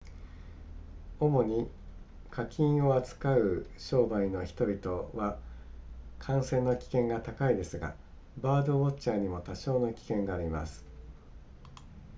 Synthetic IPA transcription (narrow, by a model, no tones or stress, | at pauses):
o̞mo̞ɲ̟i | kʰakʲʰĩɰ̃o̞at͡sɨ̥kaɯ̟ɕo̞ːbaino̞çi̥t̪o̞bʲit̪o̞βa | kʰãɰ̃sẽ̞nːokʲi̥kẽ̞ŋɡat̪akaid̪e̞sɨɡa̰ | baːd̪o̞βot͡ɕt͡ɕaːɲ̟imo̞t̪aɕo̞ːno̞kʲi̥kẽ̞ŋɡaːɾʲima̰sɨ̥